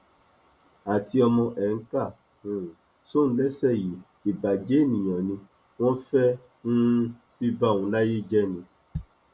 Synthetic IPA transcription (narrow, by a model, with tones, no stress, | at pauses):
a˨ti˦ɔ˧mɔ̃˧ʔɛ˨ŋ̩˦ka˦˨ | nũ˨ | sõ˦˨n̩˦lɛ˦sɛ˦˨ji˨ | i˨ba˨d͡ʒe˦nĩ˨ɲ̃ã˨nĩ˧ | w̃ɔ̃˦fɛ˦ | nũ˦ | fi˦ba˦˨ŋũ˨la˦ji˦d͡ʒɛ˦nĩ˧